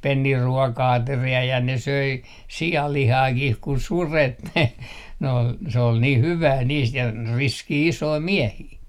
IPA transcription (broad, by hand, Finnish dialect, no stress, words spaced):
penːiː ruɔkɑɑteriɑ jɑ ne søi siɑlːihɑːkih ku suret ne n ol se ol niːh hyʋæː niːst jɑ riskiː isoi miehiː